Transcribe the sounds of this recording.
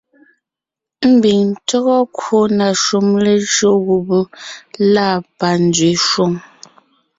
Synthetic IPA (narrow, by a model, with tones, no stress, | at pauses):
m̩˦bi˨ŋn̩˨tɔ˦ɣɔ˦kwo˦˨na˨ʃu˨mle˨ʒɰo˦˨ɣu˨bu˦la˦˨pa˨n˦d͡zɥe˨ʃwo˦˨ŋ